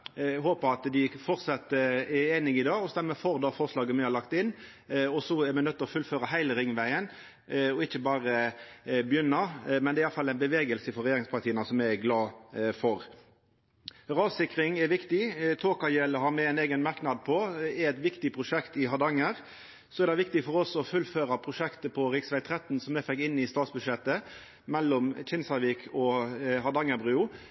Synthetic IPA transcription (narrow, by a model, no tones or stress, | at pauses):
ɦoːpəɑt̪d̪ɪfɔʁt̪sɑt̪ːəɛeːnɪŋɪd̪ɑːɔsd̪æmɛfɔʁd̪ɑːfɔʁʂlɑːɡəmɛhɑlɑkt̪ɪnː | ɔsɔɛɾmɛnœt̪ːəɔfʉlføːɾɑhæɪləɾɪŋːʋæɪən | ɔɪçːəbɑːɾə | bəjʏnːɑmɛnd̪ɛæɪjɑləfɑlːæɪnbəʋeːɡəlsəfɔɾɛjeːɾɪŋspʰɑʁt̪iːənɑsɔmæɪɡlɑːfɔɾ | ʁɑːsɪkɾɪŋɛɾʋɪkt̪ɪt̪ʰoːkɑjɛlɦɑɾmɛɛɪneːɡənmɑɾknɑd̪̚pʰɔɛɛt̪ʋɪkt̪ɪpʰɾʊʂɛkt̪ɪɦɑd̪ɑŋːəʁ | sɔɛɾd̪ɛɪʋɪk̚t̪ɪfɔɾɔsɔfʉlːføːɾɑpʰʁʊʂɛkt̪əpʰɔɾɪksʋæɪt̪ʰɾɛt̪n̩sɔmɛfɛkːɪnːɪst̪ɑːt̪sbʉd̪ʃɛt̪ːə | mɛlːɔmt͡ʃʰɪnsɑʋikʰɔɦɑd̪ɑŋːəbɾʉːʊ